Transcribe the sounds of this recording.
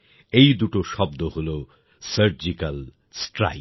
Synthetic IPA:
ejd̪uʈoʃɔbd̪oholo | səɾd͡ʑikal | sʈɾa̰j

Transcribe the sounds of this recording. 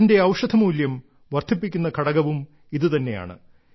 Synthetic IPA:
nde̞ɐwʂɐd̪ʰʱɐmuːljɐm | ʋɐrt̪ʰipːikʲːunːɐkʰɐɽɐɣɐʋum | iðɨt̪ɐnːe̞ja̰ːɳɨ̰

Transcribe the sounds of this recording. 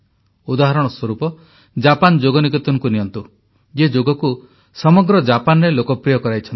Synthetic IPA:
ud̪aɦaɾɔɽ̃ɔswɔɾupɔ | d͡ʒapand͡ʒoɡɔnikɔt̪ɔŋkuniɔnt̪u | d͡ʒed͡ʒoɡɔku | sɔmɔɡɾɔd͡ʒapanɔɾelokɔpɾijɔkɔɾajt͡ʃʰɔnt̪

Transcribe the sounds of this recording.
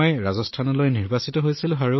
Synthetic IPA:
jɹazɔstʰanɔlojniɹbasitɔɦojsilʊ̃aɹu

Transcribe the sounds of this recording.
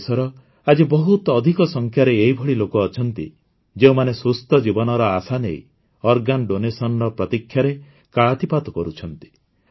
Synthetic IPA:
sɔɾɔ | ad͡ʒibɔɦut̪ːd̪ʱikɔsɔŋkʰjaɾeːɦibʱɔɽilokɔːt͡ʃʰɔnt̪ḭ | d͡ʒeũmanesust̪ɔd͡ʒibɔnɔɾɔasanḛj | ɔɾɡanɖonesɔnɔɾɔpɾɔt̪ikʰːjaɾe | kaɭat̪ipat̪ɔkɔɾut͡ʃʰɔnt̪i̥

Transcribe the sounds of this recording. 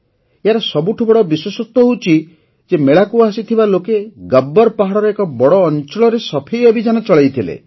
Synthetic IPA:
eɦaɾɔsɔbuʈʰubɔɽɔbiswesɔt̪ːɔɦowt͡ʃʰi | d͡ʒemeɭakuasit̪ʰibalokeɡabːɔɾpaɦaɽɔɾeekɔbɔɽɔːnt͡ʃɔɭɔɾesɔpʰejɔbʱid͡ʒanɔt͡ʃɔɭajt̪ʰilḛ

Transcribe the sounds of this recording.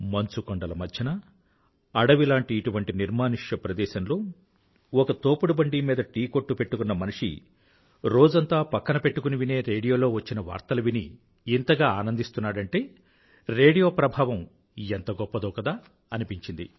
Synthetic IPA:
mɐnt͡ʃukɔɳɖɐlɐmɐt͡ʃʰɐnɐ | ɐɽɐʋilaːɳʈiːʈuʋɐɳʈiniɾmaːniʂjɐpɾɐd̪ɛːʃɐnlo̞ː | ɔkɐt̪oːpuɽubɐɳɖiːmiːd̪ɐʈiːko̞ʈːupe̞ʈːukunːɐmɐniʂḭ | ɾo̞ːd͡ʒɐnt̪aːpɐkːɐnɐpe̞ʈːukuniʋine̞ːɾeːɽijoːlo̞ːʋɐt͡ʃːinɐʋa̰ːɾt̪ɐlɐʋinḭː | nt̪ɐɡaːaːnɐnd̪ist̪unːaːɽɐɳʈe̞ː | ɾe̞ːɽijo̞ːpɾɐbʱaːʋɐm | ent̪ɐɡɔpːɐd̪ɔːkɐd̪aː | ɐnipiɲt͡ʃind̪ḭ

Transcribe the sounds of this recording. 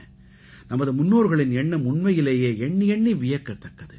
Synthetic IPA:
nɐmɐðɯmʊnːoːɾɣɐɭɪnɛɳːɐmʊɳmɐjɪleːjeːɛɳːiɛɳːiʋɪjɐkːɐt̪ːɐkːɐðɯ

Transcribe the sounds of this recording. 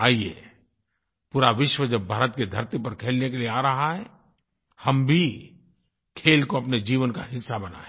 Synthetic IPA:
aːiḛː | puːɾaʋɪʃwəd͡ʒɐbʱaːɾət̪ked̪ʱɐɾt̪ipɐɾkʰeːlnekelieaːɾɐɦaɦɛː | hɐmbʱi | kʰeːlkoɐpned͡ʒiːʋənka̰ɦɪsːabɐna̰ːẽ

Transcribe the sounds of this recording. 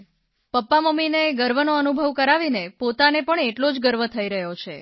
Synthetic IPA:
pəpːaməmːineɡəɾʋənoənubʱəʋkəɾaʋinepot̪anepəɳeʈlod͡ʒɡəɾʋət̪ʰəiɾəɦjot͡ʃʰḛ

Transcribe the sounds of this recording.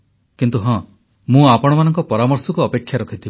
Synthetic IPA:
kint̪uɦɔ̃ | mũapɔɽ̃ɔmanɔŋkɔpɔɾamɔɾsɔkuːpekʰːjaɾɔkʰit̪ʰib

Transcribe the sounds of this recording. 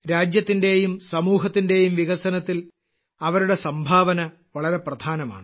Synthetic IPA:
ɾaːd͡ʑjɐt̪ːinde̞ːjumsɐmuːɦɐt̪ːinde̞ːjumʋiɣɐsɐnɐt̪ːil | ɐʋɐɾuɽe̞sɐmbʱaːʋɐnɐ | ʋɐɭɐɾe̞prɐd̪ʱaːnɐma̰ːɳɨ

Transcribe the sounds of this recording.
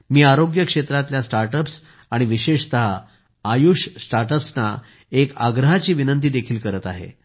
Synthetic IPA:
miːaɾoɡjəkʂet̪ɾat̪ljasʈaɾʈəps | aɽ̃iʋiɕeʂt̪əɦaː | juʂsʈaɾʈəpsna | ekaɡɾəɦat͡ɕiːʋinənt̪iːd̪ekʰiːlkəɾət̪a̰ɦḛ

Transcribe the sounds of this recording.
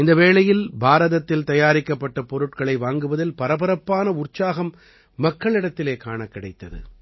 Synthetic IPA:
ɪnd̪ɐʋeːɭɐjɪlbʱaːɾɐðɐt̪ːɪlt̪ɐjaːɾɪkːɐpːɐʈːɐpɔɾɯʈkɐɭɐɪʋaːŋɡɯʋɐðɪlpɐɾɐbɐɾɐpːaːnɐʊrt͡ʃaːɣɐmː | ɐkːɐɭɪɽɐt̪ːɪleːkaːɳɐkːɪɽɐɪt̪ːɐðɯ̰

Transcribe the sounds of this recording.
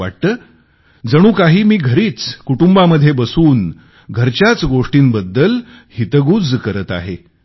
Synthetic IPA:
aʈ̚t̪əː | d͡zəɽ̃ũːkaɦiːmiːɡʱəɾiːt͡skuʈumbaməd̪ʱːjebəsuːn | ɡʱəɾt͡ɕjat͡sɡoʂʈiːnbəd̪ːəl | hit̪əɡuːd͡zkəɾət̪a̰ɦe

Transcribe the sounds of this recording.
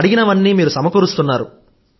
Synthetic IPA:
ɽiɡinɐʋɐnːiːmiːɾusɐmɐkuɾust̪unːaːɾu

